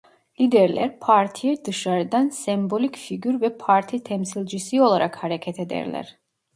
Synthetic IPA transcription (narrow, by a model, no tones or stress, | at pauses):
lid̪ɛɾlɛ̰ɾpʰaɾt̪ʰijɛd̪ɯʃaɾɛd̪ansɛmbolʲikfiɡyɾvɛpʰaɾt̪ʰit̪ʰɛmsilʲˠd͡ʒisiolˠaɾakhaɾɛcʰɛt̪ʰɛd̪ɛ̰ɾlɛ̰ɾ